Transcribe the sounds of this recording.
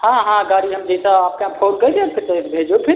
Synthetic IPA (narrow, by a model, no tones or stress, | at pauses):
ɦãɦãɡaːɾiɦəmd͡ʒɛsaaːp̚keãpʰoːnkəjd̪eap̚ket̪əbʱeːd͡ʒopʰɪɾ